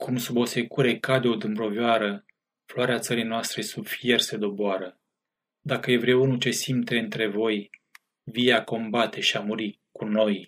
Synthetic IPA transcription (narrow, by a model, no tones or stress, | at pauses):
kʰumsubo̞se̞kuɾe̞kad̪eo̞d̪ɨmbɾo̞vjoaɾə | floaɾeat̪səɾijnoast̪ɾe̞subfije̞rse̞d̪o̞boaɾə | d̪akəje̞vɾeunut͡ʃe̞simt̪e̞ɨnt̪ɾe̞vo̞j | vijeako̞mbat̪ʰe̞ʃiamuɾi | kuno̞j